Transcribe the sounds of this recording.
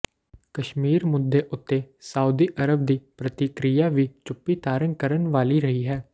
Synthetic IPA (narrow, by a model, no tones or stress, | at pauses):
kəʃmiːɾmʊd̪ːeːʔʊt̪ːeːsaːuːd̪iːʔəɾəb̚d̪iːpɾət̪ikɾijaːʋiːt͡ʃʊpːiːt̪aːɾənkəɾənʋaːliːɾəɦiːɦɛː